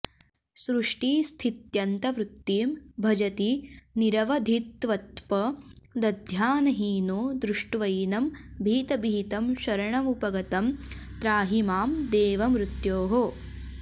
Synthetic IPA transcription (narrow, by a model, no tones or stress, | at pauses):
sɾuʂʈiːst̪ʰit̪jɐnt̪ɐʋɾut̪ːiːmbʱɐd͡ʒɐt̪iniɾɐʋɐd̪ʱit̪ʋɐt̪pɐd̪ɐd̪ʱjaːnɐɦiːnoːd̪ɾuʂʈʋɐjnɐmbʱiːt̪ɐbʱiːt̪ɐmʃɐɾɐɳɐmupɐɡɐt̪ɐmt̪ɾaːɦimaːmd̪eːʋɐmɾut̪joːɦo